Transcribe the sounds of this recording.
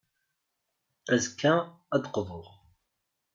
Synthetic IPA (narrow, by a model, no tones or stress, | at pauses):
æzkːæ | æd̪əqðˤoʁ